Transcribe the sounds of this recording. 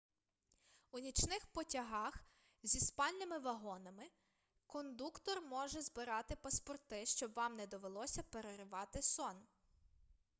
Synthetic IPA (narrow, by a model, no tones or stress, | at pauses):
unʲit͡ʃnɪxpɔtʲɐɦɑx | zʲispɑlʲnɪmɪʋɐɦɔnɐmɪ | kɔnd̪ukt̪ɔrmɔʒɛzbɪɾɑt̪ɪpɐspɔrt̪ɪʃt͡ʃɔbʋɑmnɛd̪ɔʋelˠɔsʲɐpeɾeɾɪʋɑt̪ɪsɔn